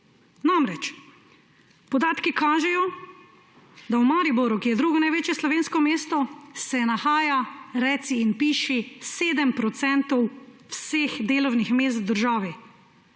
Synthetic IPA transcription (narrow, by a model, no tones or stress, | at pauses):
namɾɛt͡ʃ | pɔd̪aːt̪kikaːʒɛjɔ | d̪awmaːɾibɔɾukijɛd̪ɾuːɡɔnajʋeːt͡ʃjɛslɔʋeːnskɔmeːst̪ɔsɛnaxaːjaɾɛːt̪siːnpiːʃiseːd̪əmpɾɔt̪sɛnt̪ɔwwseːxd̪eːlɔwnixmeːs̬t̪d̪əɾʒaːʋi